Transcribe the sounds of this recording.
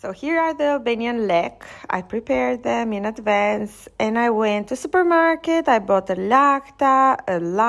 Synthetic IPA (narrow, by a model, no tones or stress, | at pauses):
soʊhiɹaðiəbɛnjə̃nlɛka̰jpɹipɛɹd̪̚ðɛ̃mɪ̃nadvæ̃nsɛ̃najwɛ̃ntʰːusupə˞maɹkɛtajbɔtəlaktaəla